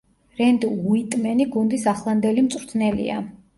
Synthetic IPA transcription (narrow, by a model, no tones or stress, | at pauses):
ɾɛnd̪uit̪ʼmɛniɡund̪isaχlˠand̪ɛlimt̪sʼwɾt̪ʰnɛlḭa̰